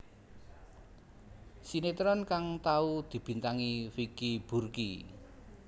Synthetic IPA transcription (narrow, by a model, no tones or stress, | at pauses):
sinet̪ɾɔnkaŋt̪aud̪̥i̤b̥i̤nt̪aŋifikib̥urkḭ